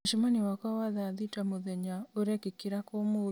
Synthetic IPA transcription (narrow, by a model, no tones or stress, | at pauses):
ʃimaniwakawaðaðitamoðɛɲaoɾɛkekiɾakomo